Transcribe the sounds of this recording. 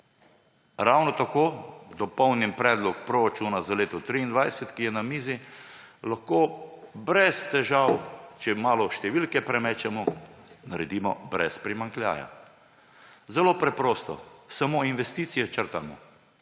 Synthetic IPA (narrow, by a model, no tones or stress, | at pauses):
ɾawnɔt̪akoːd̪ɔpɔwnimpɾɛːd̪lɔkpɾɔɾat͡ʃuːnazaleːt̪ɔt̪ɾiːnd̪ʋajsɛt̪kijɛnamiːzilaxkoːbɾɛst̪ɛʒawt͡ʃɛmaːlɔʃt̪ɛʋilkɛpɾɛmɛːt͡ʃɛmɔnaɾɛd̪iːmɔbɾɛ̰spɾimaŋklʲja̰ːja̰ | zɛloːpɾɛpɾoːst̪ɔ̰samoːinʋɛst̪iːt̪sijɛt͡ʃəɾt̪a̰mɔ̰